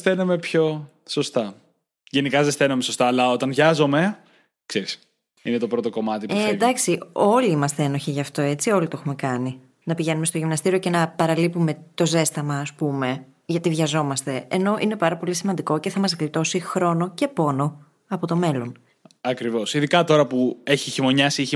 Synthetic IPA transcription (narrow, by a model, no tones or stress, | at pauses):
sθenume̞pço̞ | so̞st̪ɐ | ʝe̞nikɐzesθenumesost̪ɐːlɐot̪ɐnʝɐzo̞me̞ | kseɾis | inet̪o̞pɾo̞t̪o̞ko̞mɐt̪ipd̪ɐksio̞liimɐst̪eenoçiʝɐːft̪o̞e̞t͡sio̞lit̪oexume̞kɐni | nɐpiʝe̞numest̪oʝimnɐst̪iɾioce̞nɐpɐɾɐlipume̞t̪o̞ze̞st̪ɐmɐːspume̞ | ʝɐt̪ivʝɐzo̞mɐst̪e̞ːno̞ʔine̞pɐɾɐpo̞lisimɐnd̪iko̞ce̞θɐmɐzɣlit̪o̞sixɾo̞no̞ce̞po̞no̞ | ɐpo̞t̪o̞me̞lo̞n | ɐkɾivo̞siðikɐt̪o̞ɾɐpue̞çiçimo̞ɲɐsiiçi